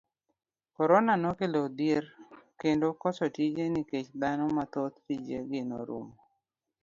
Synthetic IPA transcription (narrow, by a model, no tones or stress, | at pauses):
kɔɾonanokelod̪eɾkendokɔt͡ʃɔtid͡ʒeniket͡ʃd̪anɔmat̪ot̪̚tid͡ʒeɡɪno̰ɾṵm